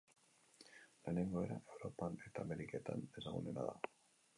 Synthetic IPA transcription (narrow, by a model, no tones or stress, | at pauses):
laneŋɡoeɾaewɾopaneɾt̪ameɾiket̪and̪ezamo̰nena̰ða̰